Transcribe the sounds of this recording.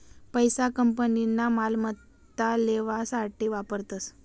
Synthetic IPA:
pəjsakəmpəninːamalmət̪ː | aleʋasaʈʰiːʋapəɾt̪əs

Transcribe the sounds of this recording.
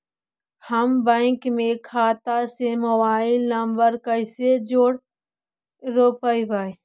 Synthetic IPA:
həmbɛ̃ːŋkmẽkʰaːt̪aseməbaːɪlnəmbəɾkəɪsed͡ʒoːɽ | ɾoːpəibəj

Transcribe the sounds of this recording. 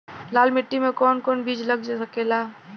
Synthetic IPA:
laːlmɪʈːimẽkɔːnkɔːnbiːd͡ʒlɐɡd͡ʒasəkelaː

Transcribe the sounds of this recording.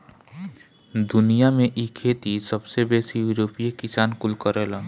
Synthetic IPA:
d̪ʊnijamẽʔikʰeːt̪isəbsebeːsijuɾoːpijekɪsaːnkʊlkəɾela

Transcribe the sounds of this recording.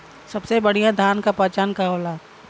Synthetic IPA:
sɐbsebɐɽ̤ijad̪ʱaːnkapaːt͡ʃaːnkaɦoːlaː

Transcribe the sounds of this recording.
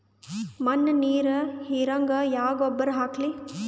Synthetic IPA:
mɐnːniːɾɐhiːɾɐŋɡɐjaːɡɔbːɐɾɦaːkli

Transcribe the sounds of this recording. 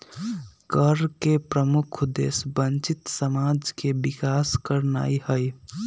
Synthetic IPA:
kəɾkepɾəmʊkʰd̪ḛːsbə̃nt͡ʃɪt̪səmaːd͡ʒkebɪkaːskəɾna̰ːiɦəi

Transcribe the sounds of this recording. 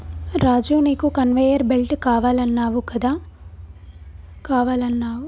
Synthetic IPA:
ɾaːd͡ʒuːniːkukɐnʋeːjɐɾbelʈkaːʋaːlɐnːaːʋukɐd̪aː | kaːʋaːlɐnːaːwu

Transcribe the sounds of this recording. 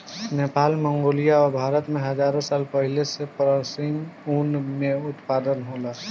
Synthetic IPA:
neːpaːlmə̃ŋɡoːlijaɔːɾbʱaːɾət̪mẽɦɐd͡ʒaːɾõsaːlpəɦilesepɾəsimuːnmẽʊt̪paːd̪ənɦoːla

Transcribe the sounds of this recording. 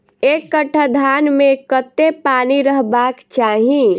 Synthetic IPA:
ekːəʈʰəd̪ʱanmekət̪ːepaniɾəɦbakt͡ʃaɦĩ

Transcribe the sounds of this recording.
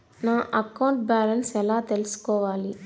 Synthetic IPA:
naːʔɐkɐwɳʈ̚baːlɐnsɛlaːt̪e̞lusu̥kɔːʋaːli

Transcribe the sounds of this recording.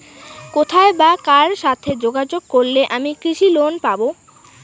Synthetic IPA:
kot̪ʰaebakaɾʃat̪ʰed͡ʑoɡad͡ʑoɡ̚koɾleʔamikɾiʃilonpabo

